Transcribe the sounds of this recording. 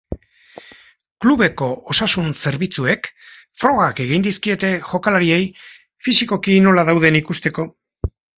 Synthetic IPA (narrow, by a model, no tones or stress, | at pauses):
kluβe̞ko̞osasunse̞ɾβit͡sue̞k | fɾo̞ɣake̞ɣ̞ind̪iskie̞t̪e̞ʝo̞kalaɾie̞j | fisiko̞kino̞laðawð̞e̞nikust̪e̞ko̞